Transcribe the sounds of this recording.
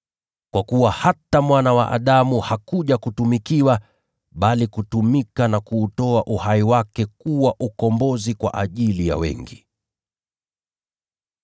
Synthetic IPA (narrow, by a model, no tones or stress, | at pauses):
kwakuwahatamwanawaʔa̰ɗamuhakuʄakutumikiwa | ɓalikutumikanakuːtɔaʔuhaiwakɛkuwaʔukɔmbɔzikwa̰ʔaʄilija̰wɛ̰ŋɡi